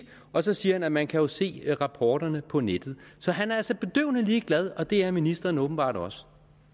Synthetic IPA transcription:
ɒ̽sɒ̽siːɐhænæmænkʰæjo̝se̝̰ːʁɑ̈pʰɒːd̥ɐnəpʰɒ̽ned̥ð̩ˠsɒ̽ɦænæɐælsɒb̥e̝d̥ø̰ʊ̰nəliːɡ̥læð̞ˠɒ̽d̥e̝æɐminisd̥ʁɐːnɔ̽ːb̥n̩b̥ɑ̰̈ːd̥ɒ̽sə̥

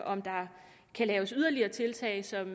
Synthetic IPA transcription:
ʔɒ̽md̥ɑ̈ | kʰælɛːʊəsyð̞ˠɐliɐːt͡sʰe̝lt͡sʰɛ̰ːɪsɒ̽m

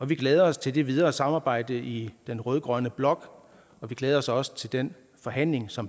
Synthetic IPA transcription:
ɒ̽ʋiɡ̥leːð̞ˠɐɒ̽st͡sʰe̝ld̥e̝ʋið̞ˠɐːsɑ̈mɑ̈ːb̥ɑ̈ɪ̰d̥əʔid̥enʁœːð̞ˠɡ̥ʁɶɐnəb̥lɒ̽ɡ̥ | ɒ̽ʋiɡ̥leːð̞ˠɐɒ̽sɒ̽sə̥t͡sʰe̝ld̥en | fɒ̽ɦæn̰le̝ŋsɒ̽m

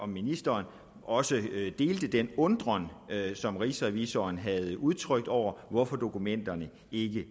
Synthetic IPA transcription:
ɒ̽minisd̥ɐːn | ʔɒ̽səd̥e̝ːld̥əd̥enɔ̽nd̥ʁɐnsɒ̽mʁisʁæʋisɒnɦæð̞ˠuð̞ˠt͡sʰʁœɡ̥̚d̥ɒʊ̰ɐʋɒfɒ̽d̥o̝kʰumen̰d̥ɐnə | e̝ɡ̥ə

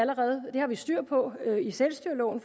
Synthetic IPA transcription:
æləʁɛːð̞̩ˠd̥e̝hɑ̈ʋisd̥yɐ̰̥pʰɒ̽øiselsd̥yɐ̰lɔ̰ʊn̩f

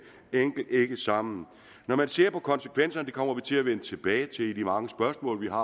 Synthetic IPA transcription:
eŋ̰ɡ̥l̩d̥e̝ɡ̥əsɑ̈mn̩ | nɒmænse̝ɐ̰pʰɒ̽kʰɒ̽nsə̥kʰʋen̰sɐnəd̥ekʰɒ̽m̰ɐʋit͡sʰe̝læʋenət͡sʰe̝b̥ɛːɪt͡sʰe̝lid̥imɑ̈ŋəsb̥ɶɐsmɔ̰̽ːlʋiɦɑ̈

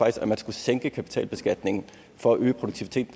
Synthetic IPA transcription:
ɑɡ̥d̥isɡ̥æmænsɡ̥useŋɡ̥əkʰæpʰi̥t͡sʰɛ̰ːlb̥e̝sɡ̥æd̥ne̝ŋn̩ | fɒ̽æʔøːəpʰʁo̝d̥u̥ɡ̥̚t͡sʰiʋit͡sʰe̝̰ːd̥

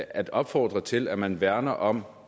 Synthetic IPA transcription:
æd̥ɒ̽b̥fɒ̰ːd̥ʁɐt͡sʰe̝læmænʋæɐnɐʔɒ̽m

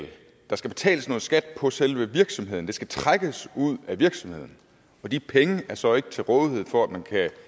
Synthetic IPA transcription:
l | d̥ɑ̈sɡ̥æb̥e̝t͡sʰɛ̰ːləsno̽ːð̩ˠsɡ̥æd̥̚pʰɒ̽selʋəʋiɐɡ̥sɒ̽mɦeð̰ˠn̩d̥e̝sɡ̥æt͡sʰʁaɡ̥əsuð̞̰ˠæʋiɐɡ̥sɒ̽mhe̝ð̰ˠn̩ | ɒ̽d̥ipʰeŋəæɐsɒ̽e̝ɡ̥ə̥t͡sʰe̝ʁɔ̽ːðˠihe̝ð̰ˠfɒ̽æd̥mænkʰæ

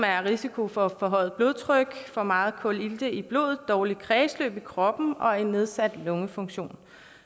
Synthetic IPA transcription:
mæɐʁisikʰo̝fɒ̽fɒ̽ɦɒ̰̽ð̩ˠb̥lo̝ðˠt͡sʰʁœɡ̥fɒ̽mɑ̈ːð̞̩ˠkʰɔ̽l̰ild̥əib̥lo̝̰ːð̩ˠd̥ɒːlid̥̚kʰʁɛːslø̰ːb̥ikʰʁɒ̽b̥n̩ɒ̽e̝nːe̝ð̞ˠsæd̥lɔ̽ŋəfɔ̽ŋɕo̝̰ːn

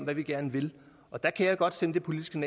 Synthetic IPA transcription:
m̰ʋæʋiɡ̥æɐnəʋe̝l | ʔɒ̽d̥ækʰæjɑ̈ɪjɡ̥ɒ̽d̥senəd̥e̝pʰo̝lid̥isɡ̥ənɛ

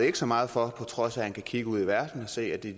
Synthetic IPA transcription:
e̝ɡ̥sɒ̽mɑ̈ːð̞̩ˠfɒ̽pʰɒ̽t͡sʰʁɒ̽sæhænkʰækʰiɡ̥əuð̰ˠiʋæɐd̥n̩ɒ̽se̝̰ːæd̥e̝

